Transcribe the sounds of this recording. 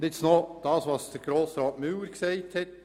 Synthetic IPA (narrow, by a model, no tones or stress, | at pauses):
dɪt͡snod̥ɑːsʋɑsd̥əɾɡ̥ɾoːsɾɑːtmywəɾksɛɪthɛt̚